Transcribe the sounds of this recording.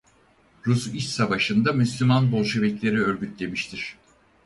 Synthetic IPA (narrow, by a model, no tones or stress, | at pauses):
ɾusiʃsavaʃɯnd̪amyslʲymanbo̞lˠʃe̞bɛclʲe̞ɾiøɾɟyt̪lʲe̞miʃt̪ʰiɾ̥